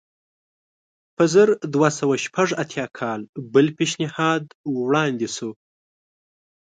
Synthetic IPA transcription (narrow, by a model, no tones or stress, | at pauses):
pəzəɾd̪wasawaʃpʰaʐat̪ʰjɑkʰɑlbəlpeʃnɪhɑd̪wɽɑnd̪isu